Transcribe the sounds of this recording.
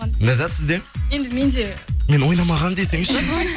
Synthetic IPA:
næzæt̪sɪzd̪e̞jend̪ɪme̞nd̪eme̞nwo̞jnɑmɑʁɑnd̪esɪŋʃɪ

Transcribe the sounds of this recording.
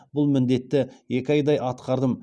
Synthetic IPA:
bʊlˠmɪnd̪e̞t̪ːɪje̞kʲɪɑjd̪ɑjʔɑt̪qɑɾd̪əm

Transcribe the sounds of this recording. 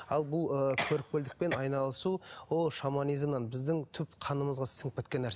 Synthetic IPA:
ɑlˠbʊlˠəkʲʰɵɾɪk̚pʲeld̪ɪk̚pe̞nɑjnɑlˠəsuwoʃamanijzmnɑnbɪzd̪ɪŋt̪ʰʏpqʰɑnəməzʁɑsəŋk̚pet̪̚kʲe̞nːæɾs

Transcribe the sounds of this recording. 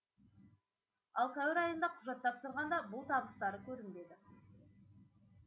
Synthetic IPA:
ɑlˠsæwɪɾɑjənd̪ɑqʰʊʒɑt̪ːɑpsəɾʁɑnd̪ɑbʊlˠt̪ʰɑbəst̪ɑɾəkʲʰɵɾɪnd̪e̞d̪ɪ

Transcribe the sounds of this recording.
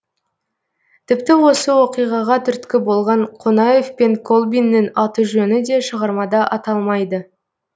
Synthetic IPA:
t̪ʰɪpt̪ɪwo̞səwo̞qijʁɑʁɑt̪ʰʏɾt̪kʲɪbo̞lˠʁɑɴqʰonɑje̞fpe̞ŋkʰo̞lˠbinːɪnɑt̪uʒɵnɪd̪e̞ʃəʁɑɾmɑd̪ɑʔɑt̪ɑlˠmɑjd̪ə

